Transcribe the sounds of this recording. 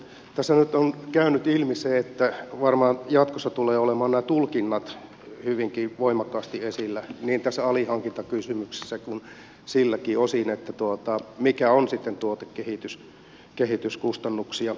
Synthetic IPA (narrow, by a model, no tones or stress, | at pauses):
t̪æsːænyt̪onkæynyt̪ilmiseːet̪ːæʋɑrmɑːnjɑt̪kosːɑt̪uleːolemɑːnnæːt̪ulkinːɑt̪ | hyʋiŋkiʋoimɑkːɑːst̪iesilːæniːnt̪æsːæɑlihɑŋkint̪ɑkysymykse̥sːækun | silːækiːosinet̪ːæt̪uot̪ɑmikæonsit̪ːent̪uot̪ekkehit̪ys | kehit̪yskust̪ɑnːuksiɑ